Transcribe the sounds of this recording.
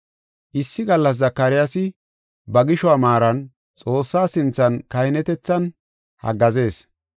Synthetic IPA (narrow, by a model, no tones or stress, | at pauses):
ʔɪsːɪɡɐlːɐs̬zɐkːɐɾɪjasɪ | bɐɡɪʃɔamaːɾɐn | t͡sʼo̞ːsːaːsɪnt͡sːɐnkɐjɪnɛt̪ɛt͡sːɐn | hɐ̰ɡɐze̞ːs